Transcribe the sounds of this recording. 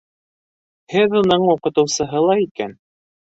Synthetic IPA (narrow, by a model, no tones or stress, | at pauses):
hɘðunɤɴuqɤ̆t̪ɤ̆wsɤ̆ɦɤlˠɑikæn